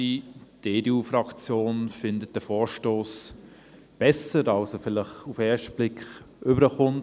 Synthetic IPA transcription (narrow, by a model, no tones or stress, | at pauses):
id̥eːdeːuːfɾɑkt͡sjoːnfɪndət̚d̥əfɔːɾʃtoːs | b̥ɛsəɾɑlsofɪlɪχufɛːʃtb̥lɪkχ | ʔʏbəɾəχʊnt